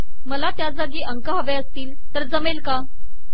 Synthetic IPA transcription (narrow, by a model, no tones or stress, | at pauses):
məlat̪jad͡zaɡiːʔəŋkəɦəʋeəst̪iːl | t̪əɾd͡zəmelka